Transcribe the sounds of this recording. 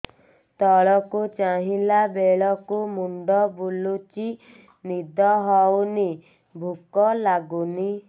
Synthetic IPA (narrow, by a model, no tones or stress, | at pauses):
t̪ɔɭɔkut͡ʃaɦilabeɭɔkumuɳɖɔbulut͡ʃi | nid̪ʱɔɦɔwni | bʱukɔlaɡuni